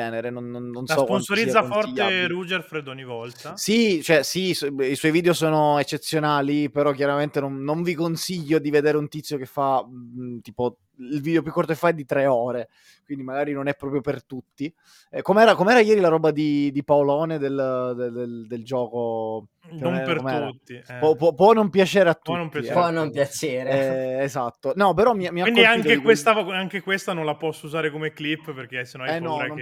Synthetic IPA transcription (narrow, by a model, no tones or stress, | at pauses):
ɛːneɾenonːonːonssɔskpansoɾizːafɔrtːeɾud͡ʒerfɾed̪oɲːivɔlt̪asit͡ʃoɛsisiswɔjviːd̪eosoːnoet͡ʃːet̪sːjonaːlipeɾɔk̬jaɾament̪enonːoɱvikonsiʎːod̪ived̪eːɾeunt̪it̪sːjokefːat̪iːpo | ilviːd̪eop̬jukːort̪okefaɛd̪ːit̪ɾeɔːɾe | kwind̪imaɡaːɾinonɛpːɾɔːpɾjopert̪ut̪ːi | ɛkomeɛːɾakomeɛːɾajɛːɾilaɾɔːbad̪id̪ipaolɔːned̪eld̪ed̪eld̪eld͡ʒɔːko | eonmpertmɛɾut̪ːiɛpɔpːwɔpːwɔnompjat͡ʃɛːɾeat̪ːunoipɔnompjat͡ʃeːɾeɛːzat̪ːonɔpeɾɔmːiamːiainkdoiaikt̪keikwest̪aaŋk̟ekwest̪anõnlapɔsːouzaːɾekomeklipːperk̟esːenõnaɛnːɔao